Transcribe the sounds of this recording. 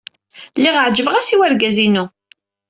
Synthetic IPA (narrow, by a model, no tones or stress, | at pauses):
lːiʁəʕd͡ʒəvəʁæsiwæɾɡæzinu